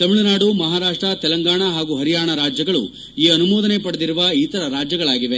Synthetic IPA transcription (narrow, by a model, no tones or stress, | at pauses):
t̪ɐmiɭunaːɽumɐɦaːɾaːʂʈɾɐt̪ɛlɐŋɡaːɳɐɦaːɡuːɦɐɾijaːɳɐɾaːd͡ʒjɐɡɐɭṵ | iːɐnumɔːd̪ɐnepɐɽɐd̪iɾuʋɐit̪ɐɾɐɾaːd͡ʒjɐɡɐɭaːɡiʋe̞